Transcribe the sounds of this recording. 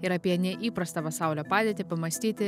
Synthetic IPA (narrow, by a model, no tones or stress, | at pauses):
ɪɾɐpʲiɛnʲɛʔiːpɾɐst̪ɐpɐsɑˑʊlʲoːpɑːdʲeːt̪ʲɪpɐmɐsʲt̪ʲiːt̪ʲɪ